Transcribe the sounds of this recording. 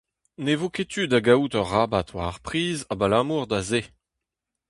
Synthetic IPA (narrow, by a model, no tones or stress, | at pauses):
nevoket̪ʰyd̪aɡaut̪œʁːabat̪waaʁpχiːzabalamuːʁd̪aze